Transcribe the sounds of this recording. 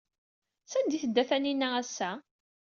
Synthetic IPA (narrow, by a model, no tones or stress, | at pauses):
sænd̪iθəd̪ːæθæninːææsːæ